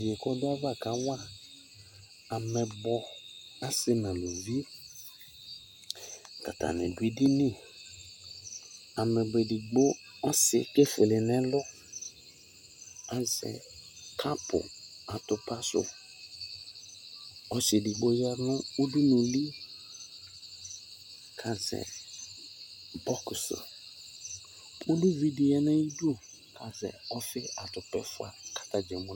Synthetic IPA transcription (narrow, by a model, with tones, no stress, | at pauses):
je˨kɔ˦dʊ˦a˦va˦˨ka˨˦wa˦˨ | a˨mɛ̃˨bɔ˨a˦sɪ˦nã˨lo˨vi˦ | ka̰˨t̪a̰˨nɛ̰̃˨du˨˦e˦di˦nĩ˦ | a˨mɛ̃˨be˨di˨ɡ͡bo˦ | ɔ˦sɪ̰˨ke˦fɪ˨lɪ˨nɛ̃˦lʊ˦ | a˨zɛ̰˨ | kʰa˦pʊ̰˨a˨tʊ˨pa˦sʊ̰˨ | ɔ˦t͡ʃɪ˨di˨ɡ͡bo˦jɛ˦nʊ̃˦u˦du˦nʊ̃˨li˦ | kʰa˨zɛ̰˨ | bɔ˦ksʊ̰˨ | u˦du˦vi˦di˨ɛ˦nɛ̃˦i˦du˦˨ | kʰa˨zɛ̰˨ɔ˦fɪ˦a˨tʊ˨pɛ̰˦˨fʊ˦a̰˨kḁ˦ta˦d͡ʒɛ˨mʊ̃˦